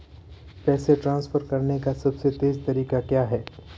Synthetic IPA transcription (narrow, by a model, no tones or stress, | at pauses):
pɛːseʈɾãːnsfəɾkɐɾnekasɐbset̪eːzt̪ɐɾiːkakjaːɦɛː